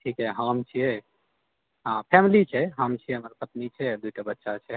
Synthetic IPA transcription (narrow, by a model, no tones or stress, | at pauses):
ʈʰikɦɛɦəmt͡ʃʰijɛ | ɦãpʰɛmlit͡ʃʰɛɦəmt͡ʃʰiɛɦəmɾpət̪nit͡ʃʰɛd̪uʈabətːʃat͡ʃʰɛ